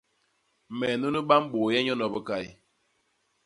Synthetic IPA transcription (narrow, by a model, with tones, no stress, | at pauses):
mɛ˨nu˦nə˦ɓa˦m˦ɓo˨jɛ˦ɲɔ˦nɔ˨bə˦ka˦˨i˨